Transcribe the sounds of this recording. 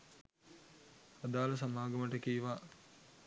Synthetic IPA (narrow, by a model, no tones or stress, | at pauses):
ad̪aːlɐsamaːɡɐməʈəkiːʋaː